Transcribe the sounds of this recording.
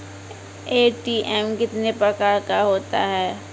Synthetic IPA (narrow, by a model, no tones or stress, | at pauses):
eːʈiːʔɛmkɪt̪nepɾɐkaːɾkaɦoːt̪a̰ɦɛː